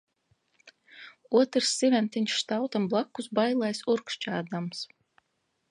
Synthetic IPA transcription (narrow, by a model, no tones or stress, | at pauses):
uɔt̪ɾsːivʲɛnt̪iɲʲst̪awt̪amblˠakːusbajlˠajsuɾkʃt͡ʃaːd̪ams